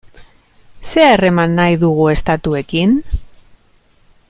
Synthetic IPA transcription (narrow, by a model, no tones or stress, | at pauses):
se̞aere̞manːajðuɣ̞ue̞st̪at̪ue̞kin